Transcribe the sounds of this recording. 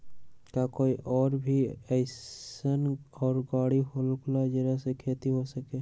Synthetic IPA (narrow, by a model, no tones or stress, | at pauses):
kakoːiʔɔːɾbʱiəɪənɔːɾɡaːɽiɦolklad͡ʒəɾəsekʰeːt̪iɦosəkeː